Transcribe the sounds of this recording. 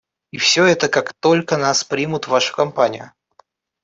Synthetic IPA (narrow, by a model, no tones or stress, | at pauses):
ifsʲɵɛt̪əkakt̪o̞lʲkənaspɾʲimʊt̪vaʂɨ̥kɐmpanʲɪjʊ